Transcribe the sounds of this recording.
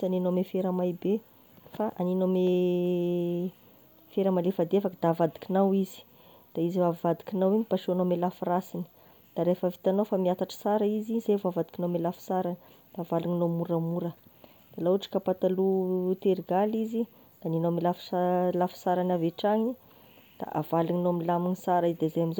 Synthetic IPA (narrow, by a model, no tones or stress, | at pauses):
saninomefeɾəmajbe | faʔaninome | feɾəmalefad̪efakəd̪̥avad̪i̥kinawizi̥ | d̪̥aizivavad̪i̥kinawiɲipaʃonomelafurasini̥ | d̪̥aɾefəvit̪anawfamiat̪aʈ͡ʂə̥saɾaizizevavad̪i̥kinamelafu̥saɾani̥ | d̪̥aːvaluɲinomuɾamuɾə | d̪̥alauʈ͡ʂi̥kapat̪alut̪eɾiɡalizi | d̪̥aninowmelaflafu̥saɾanaveʈ͡ʂaŋi | d̪̥a̰ʔavaliɲinowamilaminisaɾaizid̪ezajamizo